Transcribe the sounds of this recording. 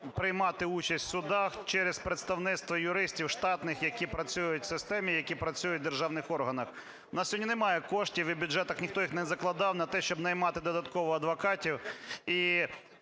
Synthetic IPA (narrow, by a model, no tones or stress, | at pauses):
pɾɪjmɑt̪ɪut͡ʃɐsʲtʲsʊd̪ɑxt͡ʃɛɾespɾet̪st̪ɐwnɪt̪st̪ʋɔjʊɾɪsʲtʲiwʃt̪ɑt̪nɪxjɐkʲipɾɐt͡sʲujʊtʲsɪst̪ɛmʲijɐkʲipɾɐt͡sʲujʊt̚ʲd̪erʒɑwnɪxɔrɦɐnɐx | ʊnɑssʲɔɔdʲnʲinɛmɑjɛkɔʃtʲiwibʲʊdʐɛt̪ɐxnʲixt̪ɔjixnɛzɐklˠɐd̪ɑwnɐt̪ɛʃt͡ʃɔbnɐjmɑt̪ɪd̪ɔd̪ɐt̪kɔʋɔɐd̪ʋɐkɑtʲiwi